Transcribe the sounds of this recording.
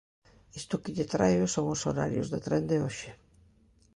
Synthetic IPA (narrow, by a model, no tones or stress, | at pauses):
ist̪ʊkɪʎɪt̪ɾajʊsoŋʊso̰ɾa̰ɾjʊ̰zðet̪ɾɛnd̪eoʃɪ